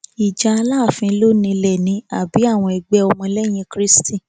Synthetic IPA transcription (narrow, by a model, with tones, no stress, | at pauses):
i˨d͡ʒa˧a˧laː˦˨fĩ˧˦lo˦nĩ˧lɛ˨nĩ˨˦a˨bi˨˦a˦˨w̃ɔ̃˧ɛ˧ɡ͡bɛ˦ɔ˧mɔ̃˧lɛ˦j̃ĩ˧kɾi˦sti˦˨